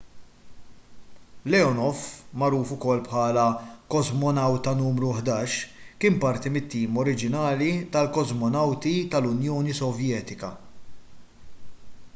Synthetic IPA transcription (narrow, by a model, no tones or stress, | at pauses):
lɛɔnɔfmɐɾuːfʊkɔlːpħɐːlɐkɔzmɔnɐwt̪ɐnuːmɾuħd̪ɐːʃkɪːmpɐɾt̪imɪt̪ːiːmɔɾɪd͡ʒɪnɐːlit̪ɐlkɔzmɔnɐwt̪it̪ɐlʊnjɔːnisɔvjɛːt̪ɪkɐ̰